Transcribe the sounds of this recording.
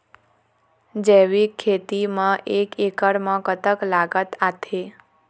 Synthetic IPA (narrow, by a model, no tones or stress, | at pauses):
d͡ʒeʋikʰːet̪imãʔekekəɽmãkət̪əklaɡət̪at̪ʰe